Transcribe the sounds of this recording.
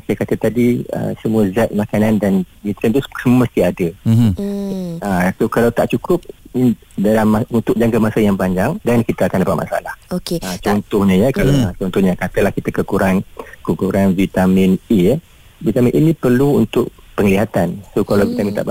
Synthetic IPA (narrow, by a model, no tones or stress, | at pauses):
sajakat̪ət̪adiə̰səmũəzat̪̚makanandanbit̪ɾənt̪usəməst̪iadə | əsokalawt̪aʔt͡ʃukʊp̚i | dalamaunt̪ʊk̚d͡ʒaŋkamasajaŋpaɲd͡ʒaŋdankit̪aakandapat̪̚mʔa̰sa̰lahokeat͡ʃɔnt̪ɔhɲãjəkalat͡ʃɔnt̪ɔhɲakat̪əlahkit̪akəkuɾankukuɾanvit̪amine | vit̪amĩnʔinĩpərluunt̪ʊʔ | pəŋliɦat̪ansokalawvit̪amint̪a̰ʔ